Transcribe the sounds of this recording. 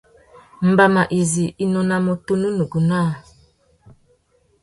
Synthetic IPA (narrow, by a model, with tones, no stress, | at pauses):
m̩˨ba˦ma˨ʔi˨zi˨ʔi˦nɔ˨na˨mo˨tu˦nu˦nu˨ɡu˨na˦˨